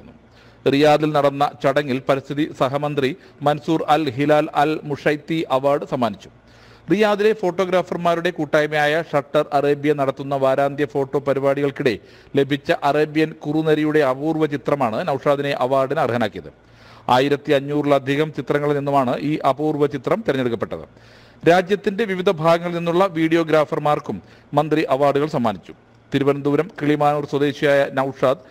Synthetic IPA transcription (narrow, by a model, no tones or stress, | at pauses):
nːu | rijaːðilnɐɽɐnːɐt͡ɕɐɽɐŋːilpɐɾist̪ʰiðisɐɦɐmɐnd̪ri | mɐnsuːrɐlɦilaːlɐlmuʂɐjt̪ːiʔɐʋaːrɖɨsɐmːaːnit͡ɕːu̥ | rijaːðile̞fo̞ːʈːo̞ːɡɾaːfɐrmaːɾuɽe̞kuːʈːaːjmɐjaːjɐʂɐʈːɐrɐreːbjɐnɐɽɐt̪ːunːɐʋaːɾaːnd̪ʱjɐfo̞ːʈːo̞ːpɐɾibaːɽiɣɐɭkiɽe̞ | le̞bʱit͡ɕːɐʔɐreːbjɐnkurunɐɾijuɽe̞ɐbuːrʋɐt͡ɕit̪rɐmaːɳɨnɐwʂaːd̪ine̞ʔɐʋaːrɖinɐrɦɐnaːkːijɐ̰ðɨ̰ | aːjiɾɐt̪ːiɐɲːuːriɭɐd̪ʱiɣɐmt͡ɕit̪rɐŋːɐɭilninːumaːɳɨʔiːʔɐbuːrʋɐt͡ɕit̪rɐmt̪iɾɐɲːeɽukːɐpːe̞ʈːɐ̰ðɨ̰ | ɾaːd͡ʑjɐt̪ːinde̞ʋiʋid̪ʱɐbʱaːɡɐŋːɐɭlninːuɭːɐʋiːɽijo̞ːɡɾaːfɐrmaːrkumː | ɐnd̪riʔɐʋaːrɖuɣɐɭsɐmːaːnit͡ɕːu̥ | t̪iɾubɐnɐmd̪uːɾɐmkiɭimaːnuːrswɐd̪e̞ːɕijaːjɐnɐwʂaːd̪